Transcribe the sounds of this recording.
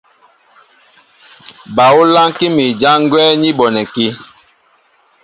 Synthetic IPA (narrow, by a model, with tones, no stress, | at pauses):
ba˨u˦la˦ŋki˦mi˨d͡ʒa˦ŋ˦ɡwɛː˦ɲi˦ɓɔ˨nɛ˨ki˦